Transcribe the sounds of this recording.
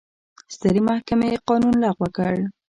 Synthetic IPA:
st̪əɾimahkameqɑnunlɑɣwəkəɽ

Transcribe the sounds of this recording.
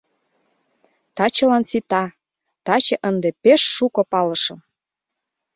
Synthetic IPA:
t̪ɑt͡ɕə̆lɑnsit̪ɑ | t̪ɑt͡ɕə̆ʔənd̪epeʃːukŏpɑləʃɤ̆m

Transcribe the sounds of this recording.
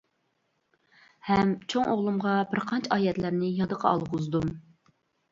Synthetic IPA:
hɛmt͡ʃʰoŋoʁlˠumʁɑbɪɾqʰɑnt͡ʃʰɑːjɛt̪læɾnɪjɑd̪əqʰɑɑ̰lˠʁʊzd̪um

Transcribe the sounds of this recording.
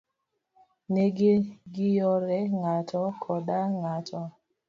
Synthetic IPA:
neɡeɡɪjɔɾɛŋatʰɔkʰɔɗaŋatɔ

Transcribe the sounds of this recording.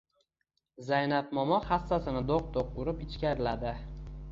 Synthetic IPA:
zajnap̚mɒmɒχasːasɪnɪd̪oq̚d̪oqʊɾɪpɪt͡ʃkʲaɾɪlad̪ɪ

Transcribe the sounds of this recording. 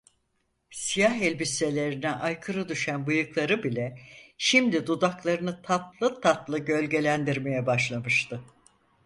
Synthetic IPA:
sijaɦɛlʲbise̞lʲe̞ɾinɛʔajkʰɯɾɯd̪yʃænbɯjɯklˠaɾɯbilʲɛʃimd̪id̪ud̪aklˠaɾɯnɯt̪ʰat̪lˠɯt̪ʰat̪lˠɯɟø̞lʲɟe̞lʲænd̪iɾme̞jɛbaʃlˠamɯʃt̪ʰɯ

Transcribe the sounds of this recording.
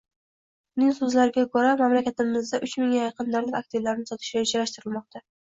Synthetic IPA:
ʊnɪŋsɵzlaɾɪɡʲakʰɵɾamamlakʲat̪ɪmɪzd̪aʔʊt͡ʃmɪŋajɑqʰɨnd̪aɾlɪkʲak̚t̪ʰɪvlaɾɪnɪsɒt̪ʰɪ̥ʃʲaɪd͡ʒaɾaʃt̪ɪɾɪlmɒq̚t̪ʰa

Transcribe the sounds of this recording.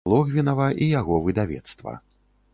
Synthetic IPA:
lˠɔɣvʲinɐvɐʔijaɣɔvɨd̪avʲɛ̰t̪st̪vɐ̰

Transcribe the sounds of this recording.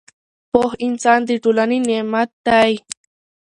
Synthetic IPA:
poxɪnsant̪̬iʈ͡ʂʊlaninemat̪aj

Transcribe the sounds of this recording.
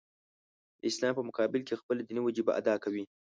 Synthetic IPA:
ɪslɑmpəmʊkɑːbɪlkexpəlad̪iniwad͡ʒibaʔa̰d̪ɑkawi

